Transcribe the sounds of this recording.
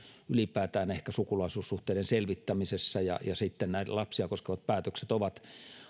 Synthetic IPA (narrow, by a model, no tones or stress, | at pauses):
ylipæːt̪æːnehkæsukulɑisuːssuht̪eidenselʋit̪ːæmisesːæjɑ̰jɑsit̪ːennæ̰lɑpsiɑkoskeʋɑt̪̚pæːt̪økset̪oʋɑt̪